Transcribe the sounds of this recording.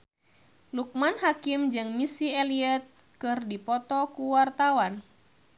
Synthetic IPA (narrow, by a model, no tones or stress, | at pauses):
luk̚manɦakimd͡ʒɨŋmisiɛliɛt̪̚ | kɨrdipɔt̪ɔkuwart̪awan